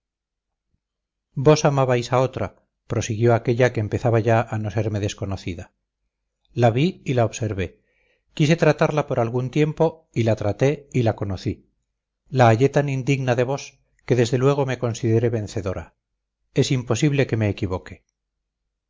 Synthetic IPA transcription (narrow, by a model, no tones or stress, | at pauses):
bo̞samaβajsao̞t̪ɾa | pɾo̞siɣjoake̞ʎake̞ːmpe̞θaβaʝaʔano̞se̞ɾme̞ðe̞sko̞no̞θiða | laβiilaoβse̞ɾβe̞ | kise̞t̪ɾat̪aɾlapo̞ɾalɣunt̪je̞mpo̞ | ilat̪ɾat̪e̞ilako̞no̞θi | laːʎe̞t̪anind̪iɣnaðe̞β̞o̞s | ke̞ðe̞zðe̞lwe̞ɣ̞o̞me̞ko̞nsiðe̞ɾe̞βe̞nθe̞ðo̞ɾa | e̞simpo̞siβle̞ke̞meːkiβo̞ke̞